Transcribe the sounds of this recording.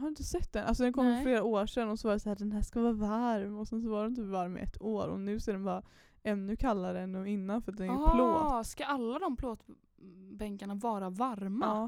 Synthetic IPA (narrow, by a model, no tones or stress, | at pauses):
haɾɪnt̪əsɛt̪ːd̪ɛnʔalsɔd̪ɛnkʰɔmmːleːɾaoːʂɛnːɔsvɑːɾad̪ɛsahæːɖ̪ɛnɦæːʂkavɑːvaɾmɔsɛns̬ɔvaɾdɛnɪt̪ʰyːpvaɾmʔɛ̰t̪ʰːoːɾɔ̰nʉ̟ːsaːd̪ɛnbɑːɾa | ɛnːʉkʰalːaɾəɛnːʉːɪnːanfœɾat̪̚d̪ɛnpʰloːskaʔalːad̪ɔmpʰloːt̪ | bɛŋkaɳavɑːɾavaɾmaː